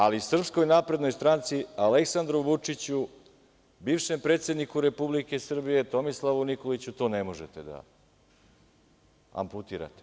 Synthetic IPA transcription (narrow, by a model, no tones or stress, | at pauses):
alisr̩psko̞jnaːpɾe̞d̪no̞jst̪ɾant̪sialeksand̪ɾuʋut͡ʂit͡ɕu | biːʋʃe̞mpɾet̪sed̪nikuɾe̞publike̞sr̩bije̞t̪o̞mislˠaʋuniko̞lit͡ɕut̪o̞ːnemoʒet̪ed̪a̰ | a̰mput̪iːɾa̰t̪e̥